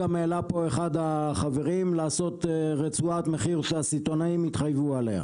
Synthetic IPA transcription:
ameːlapo̞e̞χad̪aχave̞ʁimlaːso̞t̪ʁet͡suat̪me̞χiʁʃeasit̪o̞naimit̪χajvuale̞̰a̰

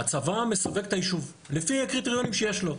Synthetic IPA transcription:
at͡savame̞save̞ke̥t̪ajiʃuv | lefiakʁiteʁjo̞nimʃejeʃlo̞

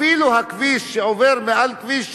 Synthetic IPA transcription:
iːluhakviːʃːeʔoveɾmeʔalkviːʃ

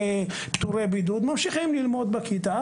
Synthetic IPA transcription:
e | pt̪uɾebid̪ud̪mamʃiχimlilmo̞d̪bakit̪a

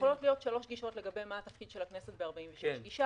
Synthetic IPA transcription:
olo̞tlijo̞t̪ʃalo̞ʃɡiʃo̞tle̞ɡabe̞jmaːt̪ɐfkid̪ʃelakne̞set̚beaʁbaimveʃeʃɡiʃa

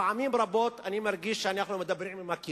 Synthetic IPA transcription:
ʕamiːmbɾˤɑboːt̪animaɾˤɡiʃːanaħnumed̪abːɾiːnbimaki

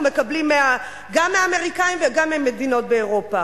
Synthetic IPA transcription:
me̞kablimːea | ɡamːeaːme̞ʁikaimveɡamːemːedino̞t̚beːʁo̞pa

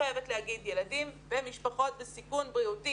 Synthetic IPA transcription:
ajevet̪lehaɡid̪jelad̪imbemiʃpaχo̞t̪̚besikunbʁiut̪i

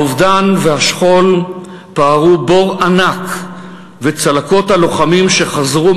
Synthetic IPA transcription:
uvdanvehaʃχo̞l | paːʁubo̞ʁanak | vet͡salako̞thalo̞χamimʃe̞χazʁu

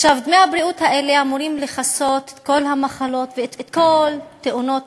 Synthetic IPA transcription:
ʃavd̪mejhabɾiut̪haʔe̞le̞amuɾimleχaso̞t̪e̥ko̞lhamaχalo̞t̪veet̪ko̞lt̪eʔuno̞t̪

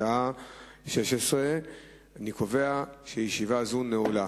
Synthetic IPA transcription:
aʃe̞ʃesʁe | anikoveaʃejeʃivazunːeula

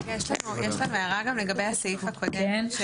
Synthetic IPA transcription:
jɛʃlanujɛʃlanuajaʁaɡamleɡabejhasejifakʰod̪en

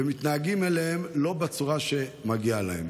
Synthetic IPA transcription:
emit̪naːɡimelehe̞mlo̞bat͡suʁaʃe̞maɡialaḛm

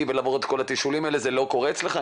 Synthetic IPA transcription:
velaːvoʁet̪kʰo̞lat̪iʃulimaelezelo̞ko̞ʁet͡sleχa

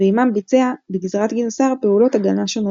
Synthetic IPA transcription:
eimambit͡se̞abeɡizʁat̪ɡinosaʁpeulo̞taɡanaʃono

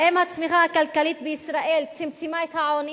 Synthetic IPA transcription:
ʔɛmat͡smiɣakalkaliːt̪̚bɪʔɪsɾaʔeːlt͡sɪmt͡simajɪt̪haʕoni

